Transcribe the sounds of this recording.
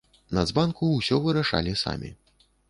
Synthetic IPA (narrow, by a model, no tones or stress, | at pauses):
nɐd̪zbankuwsʲɔvɨɾaʂa̰lʲisa̰mʲḭ